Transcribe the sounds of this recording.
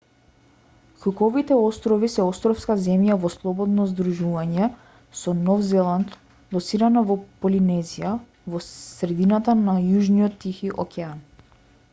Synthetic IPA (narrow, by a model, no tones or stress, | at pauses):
xukɔvit̪ɛɔst̪ɾɔvisɛɔst̪ɾɔfskazɛmjavɔslˠɔbɔd̪nɔzd̪ɾuʒuvaɲɛ | sɔnɔvzɛlˠant̪ | lˠɔsiɾanavɔpɔlinɛzija | vɔsɾɛd̪inat̪anajuʒnijɔt̪ːixiʔɔ̰kʲɛan